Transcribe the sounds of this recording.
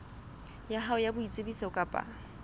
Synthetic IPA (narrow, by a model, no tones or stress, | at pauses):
jaɦaʊjabʊit͡sʼebiseʊkʼapʼa̰